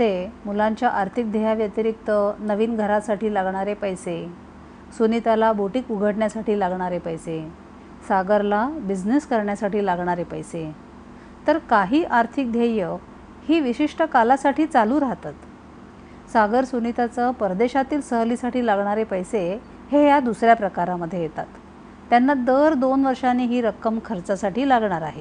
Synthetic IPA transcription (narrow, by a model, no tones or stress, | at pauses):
semulãɲt͡ɕjaʔaɾt̪ʰik̚d̪ʱəjaʋjət̪ɾik̚t̪ənəʋiːnɡʱəɾasaʈiːlaɡɳaɾepəjse | sunit̪alabuʈikuɡʱəʈɳjasaʈiːlaɡɳaɾepəjse | saɡəɾlabid͡ʑneskəɾɳjasaʈiːlaɡɳaɾepəjse | t̪əɾkaɦiːʔaɾt̪ʰik̚d̪ʱjajə | hiːʋiɕiʂʈəkalasaʈʰiːt͡saluːɾaɦt̪at̪ | saɡəɾsunit̪at͡səpəɾd̪eɕat̪iːlsəɦliːsaʈiːlaɡɳaɾepəjse | hejad̪usɾjapɾəkaɾaməd̪ʱːjejet̪at̪ː | janːad̪əɾd̪onʋəɾʂanːeiːɦiːɾəkːəmkʰəɾt͡sasaʈiːlaɡɳaɾa̰ɦe